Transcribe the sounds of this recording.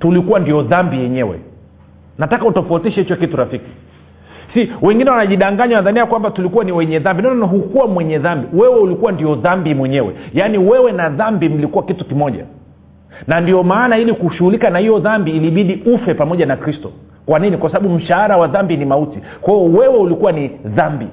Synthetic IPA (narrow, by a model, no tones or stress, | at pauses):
tulikuwandiɔðambijɛɲɛwɛ̰ | natakautɔfautiʃɛhit͡ʃɔkituɾafiki̥ | siwɛŋɡinɛwanaʄiɗaŋɡaɲanaðaniakwambatulikuwaniwɛɲɛðambinaɔnanaɦukuwamwɛɲɛðambiwɛwɛulikuwandiɔðambimwɛɲɛwɛ̰janiwɛwɛnaðambim̩likuwakitukimɔʄa̰ | nandiɔmaːnailikuʃuhulikanahijɔðambiːliɓiɗiufɛpamɔʄanakɾistɔ | kwaninikwasaɓaɓum̩ʃaaɾawaðambinimauti | kwahiɔwɛwɛulikuwaniðambḭ